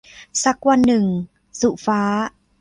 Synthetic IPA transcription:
sa˧˥kwa˧˩nːɯ˨˩ŋ | su˧˨˩faː˨˦˥

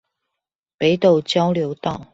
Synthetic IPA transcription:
pe˨˦ɪt̪o˨ʊt͡ɕjɑ˦ʊljo˧˦ʊt̪ɑ˥˨ʊ

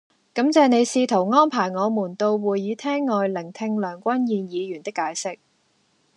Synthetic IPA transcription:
kɐ˨˥mt͡sɛː˨˧ne˨˧jsiː˧t̪ʰo˨˩wŋɔː˥npʰaː˨˩jŋɔː˨˧muː˨˩nt̪o˧wwuː˨˩jːiː˨˧˥t̪ʰɛː˥ŋːɔː˨jlɪ˨˩ŋt̪ʰɪ˧ŋlœː˨˩ŋkʷɐ˥njiː˧njiː˨˧jyː˨˩nt̪ɪ˥kːaː˨˧jsɪ˥k̚

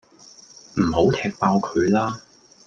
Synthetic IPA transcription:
m̩˨˩ɦo˨˥wt̪ʰɛː˧k̚paː˧wkʰɵ˨˧ɥlaː˥

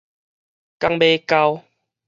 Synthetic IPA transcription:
ka˧ŋbe˧ka˧w

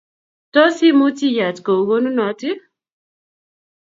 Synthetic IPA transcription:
tɔ˦si˦mu˦ti˦ja˨tko˨ɡo˦nu˦nɔ˨˦tɪ˦

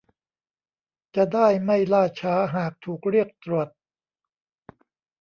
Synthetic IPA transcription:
t͡ɕa˨˩daː˥˩jma˥˩jlaː˥˩t͡ɕʰaː˦˥ɦaː˨˩k̚t̪ʰuː˨˩k̚ɾi˥˩ək̚t̪ɾu˨˩ət̪̚

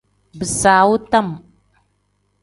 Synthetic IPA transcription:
bə˨sa˨wu˦ta˦˨m

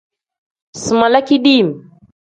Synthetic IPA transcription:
sɨ˨ma˨la˦ki˦ɗi˦˨m

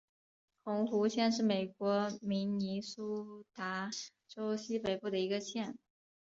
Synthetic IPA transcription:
xʊ˧˥ŋxu˧˥ɕjɛ˥˧nʂɻ̩˥˩me˨˩ɪkwɔ˧˥mi˧˥ŋni˧˥su˥t̪a˧˥ | ʈ͡ʂo˥ʊɕi˥pe˧˥ɪpu˥˩d̪ə˩i˧˥ɡə˧ɕjɛ˥˩n

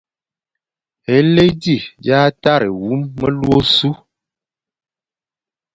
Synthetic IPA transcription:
e˨˦le˦jdi˦˨ja˦ta˦ɾḛ˨wu˨˦mːə˦lwo˦su˦

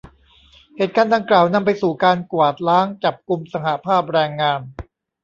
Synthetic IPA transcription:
heː˨˩t̪̚kaː˧ndaː˧ŋklaː˨˩wna˧mpa˧jsuː˨˩kaː˧nku˨˩ə˩t̪̚laː˦˥ŋt͡ɕa˨˩p̚ku˧msa˧ha˨˩ʔpʰaː˥˩p̬̚ɾɛː˧ŋːaː˧n

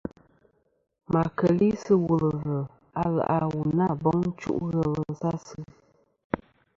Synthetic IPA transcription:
ma˨kə˨li˦sə˦wu˨lə˨və˨ | a˦la̰˨ʔa˦wu˨na˦˨bɔ˦ŋn̩˦t͡ʃṵ˦ʔɣə˦˨lə˨sa˦sɨ˦

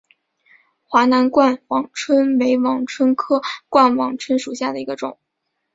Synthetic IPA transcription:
xwa˧˥na˧˥nkwa˥˩nwɑ˨˩ŋʈ͡ʂʰwə˥nme˧˥ɪwɑ˨˩ŋʈ͡ʂʰwə˥nkʰɤ˥kwa˥˩nwɑ˨˩ŋʈ͡ʂʰwə˥nʂu˨˩ɕja˥˩d̪ə˩i˧˥ɡə˧ʈ͡ʂʊ̰˨˩˦ŋ

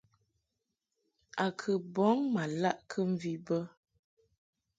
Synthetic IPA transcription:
a˨kʰə˨bɔ˨˦ŋma˨la˦ʔkʰə˦m̩˦˨vi˨bə˦

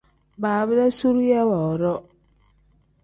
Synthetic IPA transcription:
baː˨bə˦da˦su˦ɾjɛ˦wɔ˨ɾɔ˦

